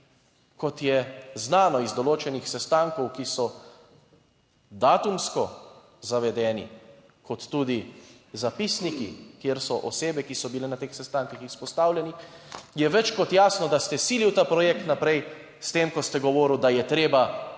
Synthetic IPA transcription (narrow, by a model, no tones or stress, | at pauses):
kɔt̪jɛznaːnɔizd̪ɔloːt͡ʃɛnixsɛst̪aŋkɔwkisɔ | d̪aːt̪umskɔ | zaʋɛd̪ɛːnḭ | kɔt̪ːud̪izapisnikḭkjeɾsɔʔɔseːbɛkisɔbilɛnat̪exsɛst̪aːŋkixispɔst̪aːwlʲɛni | jɛʋɛt͡ʃkɔt̪jaːsnɔd̪ast̪ɛsiliwt̪aːpɾɔjɛkt̪napɾɛj | st̪eːmkɔst̪ɛɡɔʋɔːɾiwd̪ajɛt̪ɾeːba